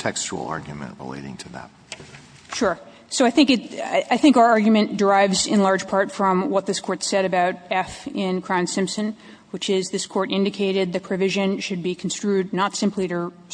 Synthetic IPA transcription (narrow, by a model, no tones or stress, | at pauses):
tʰɛkst͡ʃṵl̩ˠɑ̰ɹɡjɨmɨ̰̃nʔɹɪ̰lḛɪɾɪ̰̃ŋtʰɨðæ̰t̚ | ʃʊɹ | soʊaɪθɪ̃ŋkɨtaɪθɪ̃ŋkaʊə˞ɑɹɡjmɨ̃nd̥ə˞aɪvzɨ̰̃nlɑɹd̥d͡ʒ̥pʰɑɹtfɹʌ̃mwʌt̪̚ðɪskʰɔɹtsɛɾɨbaʊɾɛfɪ̃nkʰɹ̥ãʊ̃nsɪ̃mpsɨ̃n | wɨt͡ʃɪzðɪskʰɔɹɾʔɪ̃ndɨkʰeɪɾɪd̪̚ðɨpʰɹ̥ɨvɪʒɨ̃nʃɨd̚bikʰn̩stɹ̥ʉdⁿnətsɪ̃mpʰliɾə